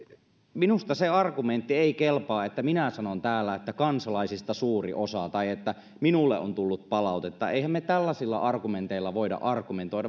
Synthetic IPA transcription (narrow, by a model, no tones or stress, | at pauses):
minust̪ɑseɑrkument̪ːieikelpɑːet̪ːæminæsɑnont̪æːlːæet̪ːækɑnsɑlɑisist̪ɑsuːrḭʔosɑt̪ɑiet̪ːæ | minulːeʔo̰nt̪ulːut̪̚pɑlɑˑut̪et̪ːɑʔeihæmmet̪ælːæsilːɑ̰ʔɑrkument̪eilːɑʋoidɑ̰ʔɑrkument̪oidɑ